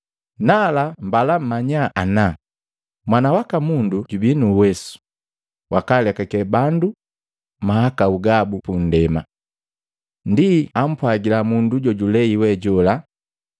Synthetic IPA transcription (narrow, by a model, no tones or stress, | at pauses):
nalam̩balam̩maɲaʔana | mwanawakamunduɟubinuwɛsu̥ | wʔakalɛkakɛbandu | mahakauɡabupun̩dɛma̰ | ndiam̩pwaɡilamunduɟɔɟulɛiwɛɟɔla